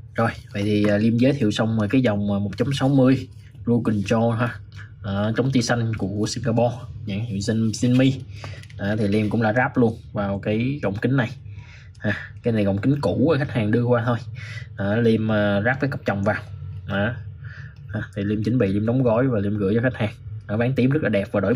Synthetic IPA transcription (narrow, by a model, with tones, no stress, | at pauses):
zo˨˩jvə̰˧˨jt̪ʰi˨˩ʔəː˨˩li˧mzə˨˦jt̪ʰḭ˧˨əwsə˧wŋ͡məː˨˩kaː˨˦jzɔ˨˩wŋ͡maː˨˩mo˨˩t̚t͡ɕa˨˦ŋ͡msa˨˦wmɨ˧əj | zu˧ki˨˩ŋt͡ɕɔ˧ɦaː˧ʔaː˨˩t͡ɕɔ˨˦wŋ͡mt̪i˧sa˧jŋ̟ku˧˩əku˧˩əsi˧ŋɡaː˧pɔ˧ɲa̰˧˥hḭ˧˨wsi˧si˧nmi˧ʔaː˨˩t̪ʰi˨˩li˧mkʊ̰˧˥ŋ͡mɗa̰ː˧˥zaː˦˥p̚lu˧ənvaː˨˩wkaː˨˦jɣə̰˧˨wŋ͡mkï˨˦ŋ̟na˨˩j | haː˨˩kaː˨˦jna˨˩jɣə̰˧˨wŋ͡mkï˨˦ŋ̟ku˧˩əː˨˩xa˦˥k̟̚haː˨˩ŋɗɨ˧əkwaː˧t̪ʰo˧jʔaː˨˩li˧əməː˨˩zaː˦˥p̚kːəː˨˦kə˨˩p̚t͡ɕɔ˨˩wŋ͡mvaː˨˩wʔaː˨˩ | haː˧˩t̪ʰi˨˩li˧əmt͡ɕï˨˦ŋ̟ɓḭ˧˨li˧mɗɔ˨˦wŋ͡mɣɔ˧˥˦jvaː˨˩li˧mɣɨ̰˧˥jt͡ɕɔ˧xa˦˥k̚haː˨˩ŋʔa˨˦ɓaː˨˦ŋt̪i˨˦əmz̚laː˨˩ɛ˨˩p̚vaː˨˩ɗo̰˧˩˦